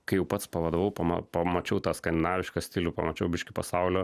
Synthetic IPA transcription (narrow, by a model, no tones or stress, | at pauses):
kɐɪjɛʊpɐt̪spɐʋɐd̪oʋɐʊpɐmɐ̰pɐmɐt͡ʃɛʊt̪aːskɐnd̪ʲɪnaːʋʲɪʃkɐsʲt̪ʲilʲʊpɐmɐt͡ʃʲɛʊbʲɪʃʲkʲɪpɐsaʊlʲo